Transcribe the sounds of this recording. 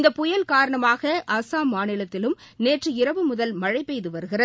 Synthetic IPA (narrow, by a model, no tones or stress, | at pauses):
nd̪ɐpːʊjɐlkaːɾɐɳɐmaːɣɐʔɐsaːmaːnɪlɐt̪ːɪlɯm | neːʈrɯɪɾɐʋɯmʊðɐlmɐɻɐɪpːɛjðɯʋɐɾɯɣɪrɐð